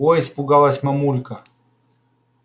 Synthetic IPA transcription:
ɔispʊɡalˠɐsʲmɐmulʲkɐ

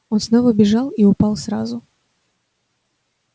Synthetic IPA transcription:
onsnovəbʲɪʐalˠiʊpalˠsɾazʊ

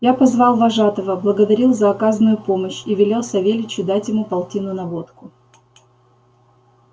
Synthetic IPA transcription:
japɐzvɑlˠvɐʐat̪əvəblˠəɡəd̪ɐɾʲilˠzəɐkazənʊjʊpo̞məɕivʲɪlʲe̞lˠsɐvʲelʲɪt͡ɕɪd̪atʲjɪmupɐlˠtʲinʊnɐvo̞t̪kʊ

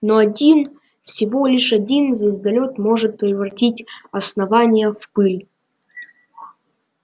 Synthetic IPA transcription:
noɐdʲin | fsʲɪvolʲɪʂɐdʲinzɐɪzd̪ɐlʲot̪mo̞ʐɨt̪̚pʲɾʲɪvɾɐtʲitʲɐsnɐvanʲɪjəfpɨlʲ

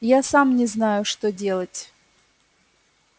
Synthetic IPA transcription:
jasamnʲɪznajʊʂt̪odʲe̞lˠətʲ

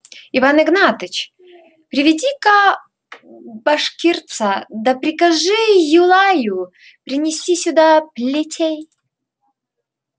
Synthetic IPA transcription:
ɪvanɨɡnat̪ɨt͡ɕ | pɾʲɪvʲɪdʲikɐ | bɐʂkʲirt̪sɐd̪ɐpɾʲɪkɐʐɨjʊlˠajʊ | pɾʲɪnʲɪsʲtʲisʲʊd̪aplʲɪtʲʰej

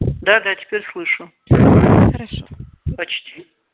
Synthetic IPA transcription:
d̪ad̪atʲʰi̥pʰʲerʲslˠɨʂu | ɐt͡ʃʰtʰʲ

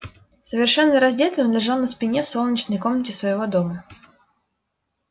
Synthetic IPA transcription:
səvʲɪrʂɛnːəɾɐzʲdʲet̪ʲnʲənlʲɪʐalˠnəspʲɪnʲefsolˠnʲɪt͡ɕnəjko̞mnətʲɪsvəjɪvo̞d̪o̞mə

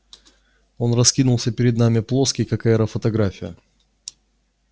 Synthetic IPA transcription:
o̞nrɐskʲinʊlˠsʲəpʲɪɾʲɪd̪namʲɪplˠo̞skʲɪjkɐkɛɾəfət̪ɐɡɾafʲɪjə

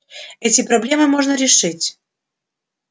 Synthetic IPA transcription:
ɛtʲɪpɾɐblʲemɨmoʐnəɾʲɪʂɨtʲ

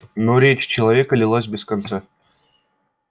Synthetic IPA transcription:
noɾʲet͡ɕt͡ɕɪlˠɐvʲe̞kəlʲɪlˠasʲbʲɪskant̪sa

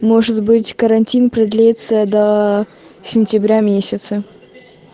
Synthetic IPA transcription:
moʐɨt̪bɨtʲkəɾɐnʲtʲinpɾɐd̪lʲet̪səd̪ɐ | sʲɪnʲtʲɪbɾʲamʲesʲɪt̪sə

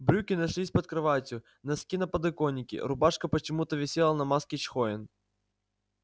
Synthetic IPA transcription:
bɾʲukʲɪnɐʂlʲisʲpɐt̪̚kɾɨvatʲʊ | nɐskʲinɐpɐd̪ɨkonʲːɪkʲɪ̰ɾʊbaʂkɐpət͡ɕɪmut̪əvʲɪsʲelˠnɐmaskʲɪt͡ɕxoɪn

